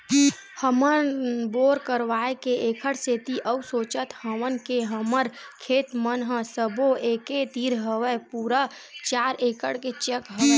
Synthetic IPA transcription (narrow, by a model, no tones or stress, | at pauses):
həmənboːɾkəɾʋaːekeʔeːkʰəɽseːt̪iʔəwsoːt͡ʃət̪həʋənkeɦəməɾkʰeːt̪mənɦəsəboʔeːket̪iːɾɦəʋəpuːɾa | t͡ʃaːɾeːkəɽket͡ʃekɦə